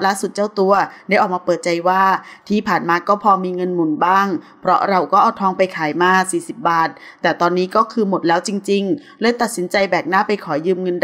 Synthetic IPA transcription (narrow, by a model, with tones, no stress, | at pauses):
laː˥˩su˨˩t͡ɕa˥˩wt̪u˧ɐdaː˥˩jʔːk̚maː˧˩˧pɤː˨˩t̪̚t͡ɕa˧jwaː˥˩t̪ʰiː˥˩pʰaː˨˩nmaː˧kɔː˥˩pʰɔː˧miː˧ŋɤ˧nmu˨˩nbaː˥˩ŋ | pʰɾɔ˦˥ɾa˧wkɔː˥˩ʔɔː˨˩t̪ʰɔː˧ŋpa˧jkʰaː˩˦jmaː˧siː˨˩si˨˩p̚baː˨˩t̪̚ːɛː˨˩t̪ɔː˧nːiː˦˥kɔː˥˩kʰɯː˧mo˨˩t̪̚lɛː˦˥wt͡ɕi˧ŋt͡ɕi˧ŋlɤː˧˥˨jt̪a˨˩t̪̚si˩˦nt͡ɕa˧jbɛː˨˩p̚naː˥˩pa˧jkʰɔː˩˦jɯː˧mŋɤ˧nd